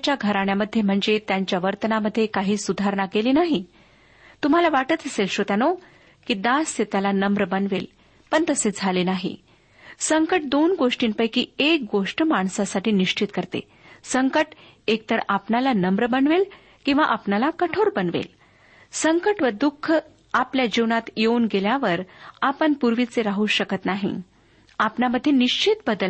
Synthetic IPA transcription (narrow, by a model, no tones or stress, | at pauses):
t͡ɕjaɡʱəɾaɳ̃jaməd̪ʱːjem̤əɳd͡zet̪jaɲt͡ɕjaʋəɾt̪ənaməd̪ʱːjekaɦiːsud̪ʱaɾɳakeliːnaɦi | t̪um̤alaʋaʈət̪əselɕot̪ano | kiːd̪asːet̪alanəmbɾəbənʋel | pəɳt̪əsed͡zʱaleːnaɦḭ | səŋkəʈ̚d̪onɡoʂʈiːnpəjkiːek̚ɡoʂʈmaɳsasaʈiːniʂt͡ɕit̪kəɾt̪ḛ | səŋkəʈ | ek̚t̪əɾapnalanəmbɾəbənʋel | kĩw̃ʋa̰ʔapnalakəʈʰoɾbənʋḛl | səŋkəʈʋəd̪ukʰːə | apljad͡ʑiʋnat̪jeunɡeljaʋəɾapəɳpuɾʋit͡seɾaɦuːɕəkət̪naɦḭ | apnaməd̪ʱːjeniʂt͡ɕit̪bəd̪əl